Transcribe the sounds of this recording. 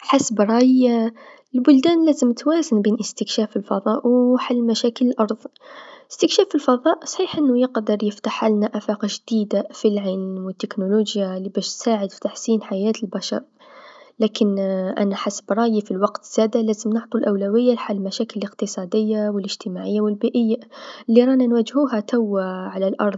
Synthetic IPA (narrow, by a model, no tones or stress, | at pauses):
ħasbɾˤɑj | lbʊld̪ænlæzəmt̪wæzənbiːnʔəst̪əkʃæfəlfɑðˤɑʔwħalːmæʃækələlʔɑɾˤðˤəst̪əkʃæfəlfɑðˤɑːʔsˤħiːħʔənːʊjəqd̪əɾˤjəft̪aħalnaʔafaqʒd̪̥id̪afilʕaːnwɪt̪ːɪknuluːʒjalːibæːʃt̪saːʕəd̪fi̥t̪aħsiːnħajæːt̪əlbaʃɑ̰ɾˤ | læːkɪnʔæ̰naħasbɾˤɑːjifilwɑqt̪z̥æːd̪alæːzəmnʊʕt̪ˤulʔawlawɪjːalħalːmæʃæːkɪləlɪqt̪ɨsˤɑːd̪ɪjːawɪlɪʒt̪əmaʕɪjːawɪlbiːʔɪjːalːiɾˤɑːnanwæd͡ʒhuːɦat̪awːaʕalalʔɑ̰ɾˤðˤ